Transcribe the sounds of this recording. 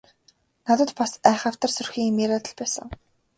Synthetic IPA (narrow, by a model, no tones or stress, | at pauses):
nat̪ə̆t̪pasæːχə̆w̥t̪ə̆rsɵrxiːŋemeːɾat̪ə̆ɮpæːsə̰̆ŋ